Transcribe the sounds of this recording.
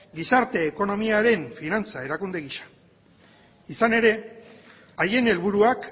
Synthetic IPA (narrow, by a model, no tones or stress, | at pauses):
ɡisaɾt̪e̞ːko̞no̞miaɾe̞ɱfinant͡sae̞ɾakund̪e̞ɣiʃḁ | isane̞ɾe̞ | aje̞ne̞lβuɾuak